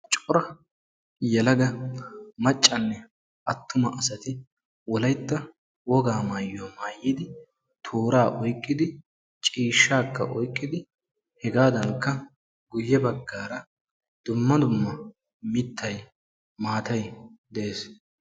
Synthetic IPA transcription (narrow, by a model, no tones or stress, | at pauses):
t͡ʃʼɔɾɐ | jɛlɐɡɐmɐt͡ʃʼːɐnːɛ | ʔɐt̪ːʊmɐʔɐsɐt̪ɪ | wɔlɐjt̪ːɐ | wɔɡaːmaːjːomaːjːɪd̪ɪ | t̪ʰoːɾaːʔɔjkʼːɪd̪ɪ | t͡ʃʼiːʃːaːkʰːɐ̰ʔɔjkʼːɪd̪ɪ | hɛɡaːd̪ɐŋkːɐ | ɡʊjːɛbɐɡːaːɾɐ | d̪̥ʊmːɐd̪ʊmːɐ | mɪt̪ʰːɐj | maːt̪ɐjd̪ɛeːs